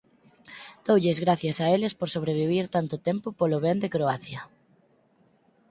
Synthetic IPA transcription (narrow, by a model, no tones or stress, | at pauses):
d̪̥owʎɪzɣɾaθjɐsaelɪspoɾsoβ̞ɾeβiβiɾt̪ant̪ʊt̪empʊpolʊβend̪ekɾoaθjɐ